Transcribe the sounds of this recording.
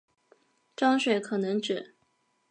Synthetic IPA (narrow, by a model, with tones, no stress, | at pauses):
ʈ͡ʂɑ˥ŋɕwe˨˩ɪkʰɤ˨˩nɤ˧˥ŋʈ͡ʂɻ̩˨˩˦